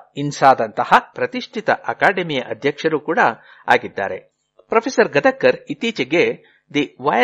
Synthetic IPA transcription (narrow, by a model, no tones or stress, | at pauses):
insaːd̪ɐnt̪ɐhɐpɾɐt̪iʂʈʰit̪ɐʔɐkaːɖemijɐʔɐd̪ʱjɐkʂɐɾuːkuːɽɐ | a̰ːɡid̪ːa̰ːɾe | pɾɐpʰesɐɾɡɐd̪ɐkːɐɾit̪iːt͡ʃɐɡe | d̪iʋaːj